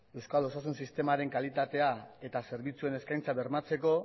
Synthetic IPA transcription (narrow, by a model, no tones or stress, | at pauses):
e̞wskalo̞sasunsist̪e̞maɾe̞ŋkalit̪at̪e̞ae̞t̪ase̞ɾβit͡sue̞ne̞skajnt͡saβe̞ɾmat͡se̞ko̞